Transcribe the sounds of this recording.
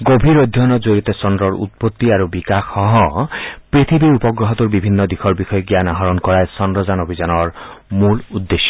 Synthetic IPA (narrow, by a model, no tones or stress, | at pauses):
ɡobʱiɹod̪ʱjɔnɔzoɹit̪ɔsɔnd̪ɾɔɹṵt̪̚pot̪ːiaɹubikaxɔɦɔpɹit̪ʰibiɹupɔɡɹɔɦɔt̪uɹbibʱinːɔd̪ixʰɔɹbixɔjɔɡijanaɦɔɹɔnkɔɹajsɔndɹɔzanobʱizanɔɹmulud̪ːeʃɔ̥